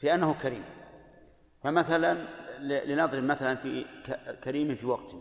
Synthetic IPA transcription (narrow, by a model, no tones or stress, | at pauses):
fiʔanːahʊkaɾḭːm | famaθalanlɪlɪnɑðˤɾɪbmaθalanfikakaɾiːmɪnfiwɑqt̪na